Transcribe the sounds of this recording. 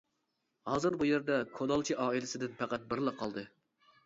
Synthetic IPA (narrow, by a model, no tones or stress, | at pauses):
hɑːzɨɾbujeɾd̪ɛkʰod̪ɑlˠt͡ʃʰiʔɑːilɪsɪd̪ɪnpʰæqæt̪̚bɪɾlˠɑqʰɑlˠd̪ɨ